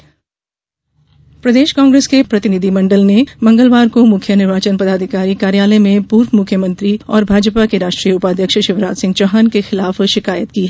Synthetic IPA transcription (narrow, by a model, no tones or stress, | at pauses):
pɾɐd̪eːʃkãːŋɡɾeːskepɾɐt̪ɪnid̪ʱimɐ̃ɳɖəlnemɐ̃ŋɡəlʋaːɾkomʊkʰjənɪɾʋaːt͡ʃənpɐd̪aːd̪ʱɪkaːɾikaːɾjaːlemẽpuːɾʋmʊkʰjəmɐ̃nt̪ɾiɔːɾbʱaːd͡ʒpakeɾaːʃʈɾijəʊpaːd̪ʱjəkʃʃɪʋɾaːd͡ʒ̪sɪ̃ŋɡt͡ʃɐɦaːnkexɪlaːfʃɪkaːjət̪kiɦɛː